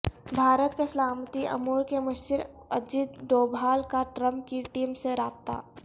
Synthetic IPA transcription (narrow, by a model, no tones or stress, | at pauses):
bʱaːɾət̪kesəlaːmt̪iʔɐ̰muːɾkemɐʃd͡ʒɪɾ | ɐd͡ʒɪt̪doːbʱaːlkaʈɾəmp̚kiʈiːmseɾaːp̚t̪a̰ː